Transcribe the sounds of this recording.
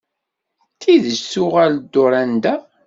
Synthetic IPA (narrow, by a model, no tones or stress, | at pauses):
θiðəʃsʊʁæld̪ːʊɾˤænd̪æ